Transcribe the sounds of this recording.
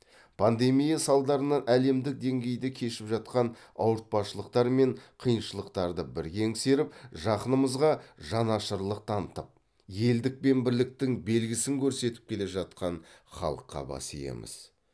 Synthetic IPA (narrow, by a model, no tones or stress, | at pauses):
pʰand̪e̞mijasɑlˠd̪ɑɾənɑʔæle̞md̪ɪk̚d̪e̞ŋɡʲe̞jd̪ɪkʲʰe̞ʃɪpʒɑt̪qɑn | ɑ̰wəɾt̪̚pɑsʃəlˠəqt̪ɑɾme̞ɴqʰijənʃəlˠəq̚t̪ɑɾd̪əbɪɾkʲeŋse̞ɾɪp̚ʒɑqənəməzʁɑʒɑnɑʃəɾlˠəq̚t̪ʰɑnət̪əp̚ | je̞ld̪ɪk̚pe̞nbɪɾlɪk̚t̪ɪŋbe̞lɡʲɪsɪŋkʲʰɵɾse̞t̪ɪ̥p̚kʲʰe̞leʒɑt̪qɑnχɑ̰lˠəqʰːɑ̰bɑ̰sḭjḛmɪ̰z̥